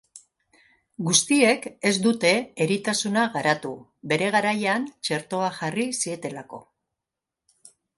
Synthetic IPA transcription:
ɡust̪ie̞ke̞zd̪ut̪e̞eɾit̪asunaɣaɾat̪u | βe̞ɾe̞ɣ̞aɾajant͡ʃe̞ɾt̪o̞aʝarisie̞t̪e̞lako̞̰

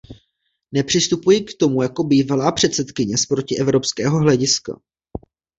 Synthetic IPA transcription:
nɛpr̝̥ɪst̪upujɪkt̪o̞mujako̞biːvalaːpr̝̥ɛt̪sɛt̪kɪɲɛspɾo̞cɪʔɛvɾo̞pskɛːɦo̞ɦlɛɟɪska̰

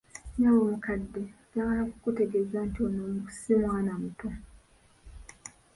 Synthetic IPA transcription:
ɲawomukadːeɟaaakukute̞ɡezantionomuu̥simwaːnamuto

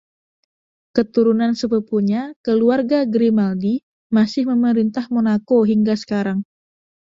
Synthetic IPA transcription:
kət̪uɾunansəpəpuɲakəluarɡaɡɾimaldi | masɪhməməɾint̪ahmonakoɦiŋɡasə̥kaɾaŋ

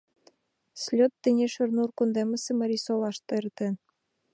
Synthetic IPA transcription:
slʲot̪ːĕnʲeʃɘ̆rnurkund̪emə̆sĕmɤ̆ɾʲisolˠɑʃt̪ert̪ĕn

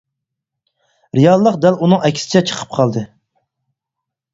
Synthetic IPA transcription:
ɾijɑlˠːəqd̪ælunɨŋɛkʲʰsɪ̥t͡ʃʰɛt͡ʃʰə̥qʰə̥p̚qʰɑlˠd̪ɨ

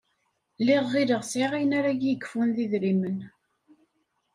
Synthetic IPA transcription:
lɪʁːiləʁsʕiʁijnaɾaɡjəkːfunðiðɾimən

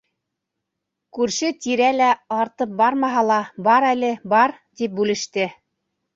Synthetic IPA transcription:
kʉɾʃɘt̪iɾælæɑɾt̪ɤp̚bɑɾmɑɦɑlˠɑbɑɾælɘbɑɾt̪ip̚bʉlɘ̆ʃt̪ɘ

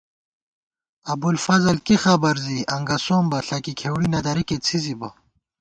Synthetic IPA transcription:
ɐbulfɐzɐlkixabɐɾziɐŋɡɐsoːmbɐɬɐkikʰeːwɽinɐd̪ɐɾiket͡sʰizibɐ

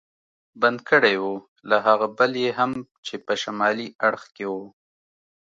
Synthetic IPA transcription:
band̪̚kəɽejwo | laɦaɣabəljeɦamt͡ʃepəʃamɑliaɽxkewo

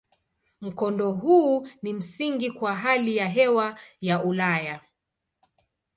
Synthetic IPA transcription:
m̩kɔndɔɦuːnim̩siŋɡikwaɦalijaɦɛwajaʔulaja

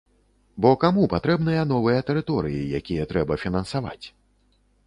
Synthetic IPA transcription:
bɔkamupat̪ɾɛbnɨjɐn̪ɔvɨjɐt̪ɛɾɨt̪ɔɾɨ̰jḭjakʲijɐt̪ɾɛbɐfʲinɐnsava̰t͡sʲ

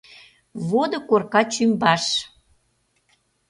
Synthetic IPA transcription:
βod̪ŏkorkɑt͡ɕymbɑʃ

